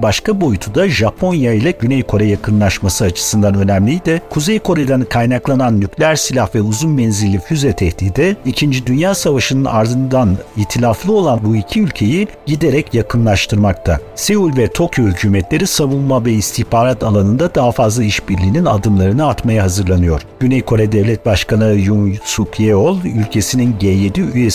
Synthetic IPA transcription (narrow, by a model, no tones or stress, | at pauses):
baʃkabo̞jut̪ʰud̪aʒapʰo̞njailˠaɟynɛjkʰo̞ɾɛjakʰɯnlˠaʃmasɯat͡ʃʰɯ̥sɯnd̪anø̞næmlʲijd̪ɪkʰuzejkʰo̞ɾed̪ænkʰajnaklˠananːyclʲæɾsilʲahvɛuzunbɛnzilʲːifyzɛt̪ʰɛht̪iːd̪ɛicʰind͡ʒid̪ynjaːsavaʃɯnɯnaɾd̪ɯnd̪aniçt̪ʰilʲaflˠɯo̞lˠanbuicʰiylʲcʰe̞ji | ɟid̪e̞ɾɛcjakʰɯnlˠaʃt̪ʰɯɾmak̚t̪ʰase̞vulʲvɛt̪ʰo̞kjo̞hycʰyːmɛt̪lʲe̞ɾisavunˠmavɛist̪ʰiçbaːɾat̪ʰalˠanɯnd̪ad̪aɦafazlˠaiʃbiɾlʲiːnina̰d̪ɯmlˠaɾɯnɯat̪majaɦazɯɾlˠanɯjo̞ɾ̥ɟ̥ynɛjkʰo̞ɾɛd̪ɛvlʲɛt̪̚baʃkanɯjunsukjeolˠylʲcʰe̞sininɟeːjed̪iyje